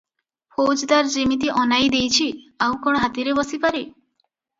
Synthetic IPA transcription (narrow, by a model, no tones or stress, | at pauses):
pʰod͡ʒd̪aɾd͡ʒimit̪̬iʔɔnajd̪ejt͡ʃʰiaw̃kɔɽɦat̪iɾebɔsipaɾe